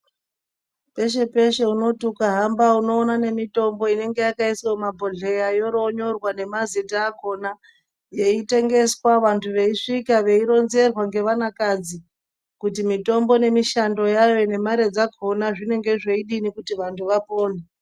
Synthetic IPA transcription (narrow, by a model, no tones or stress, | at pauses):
pe̞ʃ̬e̞pe̞ʃe̞uno̞tukaɦambauno̞ːnane̞mito̞mbo̞ine̞ŋɡe̞jakaiswomabʱo̞ɮejajo̞ɾo̞ɲo̞rwane̞mazitaːko̞na | je̞ite̞ŋɡe̞swaʋantʰuʋe̞iʂikaʋe̞iɾo̞nze̞rwaŋɡe̞ʋanakad͡zi | kutimito̞mbo̞ne̞miʃando̞jajo̞ne̞maɾe̞d͡zakʰo̞naʐine̞ŋɡe̞ʐe̞iɗinikutiʋantʰuʋapoːne